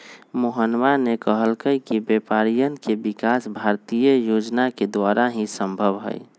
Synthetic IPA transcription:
moɦənʋanekəɦəlkəjkibepaɾijənkebikasbʱaɾt̪ijəjod͡ʒnaked̪waɾaɦĩsə̃mbʱəbɦə̰j

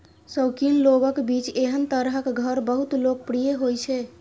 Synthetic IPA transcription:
səwkinloɡəkbit͡ʃeɦənt̪əɾɦəkɡʱəɾbəɦut̪lok̚pɾijeɦojt͡ʃʰɛ

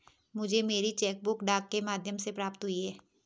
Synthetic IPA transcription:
mʊd͡ʒʱemeːɾit͡ʃɛːk̚bʊkɖaːkːemaːd̪ʱjəmsepɾaːpt̪ɦʊiɦɛː

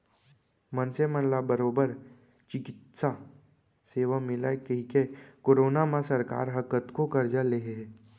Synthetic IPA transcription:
mənsemənlabəɾoːbəɾ | t͡ʃɪkɪt̪sa | seːʋamɪlakeɦikekoːɾoːnamãsəɾka̰ːɾɦəkət̪kokəɾd͡ʒaleɦe

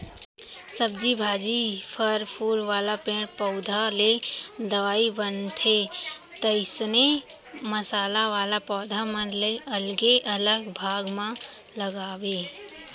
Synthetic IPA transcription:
səb̚d͡ʒibʱaːd͡ʒipʰəɾpʰuːɾʋaːlapẽːɽpɔːʊd̪ʱaled̪əʋaːibənt̪ʰet̪əɪsneməsaːlaʋaːlapɔːd̪ʱamə̃nleʔəlɡeʔələɡbʱaːɡmãləɡaːweː

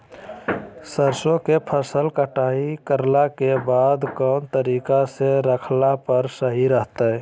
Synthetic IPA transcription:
səɾsõkepʰəsəlkəʈaːikəɾlakebad̪kɔːnt̪əɾiːkaseɾəkʰlapəɾsəɦiɾəɦt̪ə

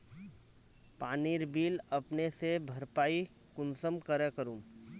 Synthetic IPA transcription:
paːniɾbiːləpnesebʱəɾpaːi | kʊnsəmkəɾekəɾũː

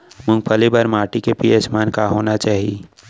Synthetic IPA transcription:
mʊ̃ŋɡ̚pʰəlibəɾmaːʈikepijesmaːnkaɦoːnat͡ʃaːɦii

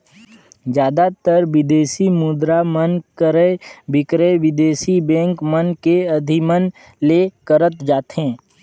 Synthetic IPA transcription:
d͡ʒjaːd̪at̪əɾʋɪd̪eːʃimʊd̪ɾamənkəɾəbʱɪkɾeʋɪd̪eːʃibɛ̃ːŋkmənkeɐd̪ʱimən | lekəɾət̪d͡ʒaːt̪ɦɛ̃ː

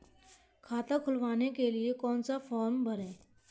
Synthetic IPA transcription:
kʰaːt̪akʰʊlʋaːnekeliekɔːnsafɔːɾmbʱɐɾeː

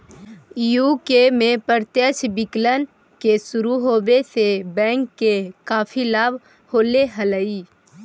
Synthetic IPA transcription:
juːkemẽpəɾt̪jət͡ʃbɪklən | kesʊɾuɦoːbesebɛ̃ːŋkːekaːpʰilaːbʱ | hoːleɦələiː

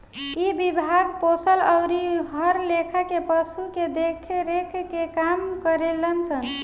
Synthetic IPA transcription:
ibibʱaɡ̚posələʊɾiɦəɾlekʰəkepəsuked̪ekʰeɾekʰkekamkəɾelənt͡ʃʰən

